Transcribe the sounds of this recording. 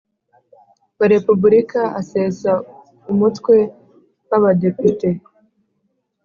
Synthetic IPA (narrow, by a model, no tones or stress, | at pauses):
βaɾe̞pubuɾikaase̞sa | umutkwe̞ | waβade̞pite̞